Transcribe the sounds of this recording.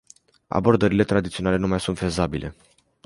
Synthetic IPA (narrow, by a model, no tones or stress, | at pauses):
a̰bo̞rd̪əɾile̞t̪ɾad̪it̪sionale̞numajsunt̪fe̞zabilʔe̞̰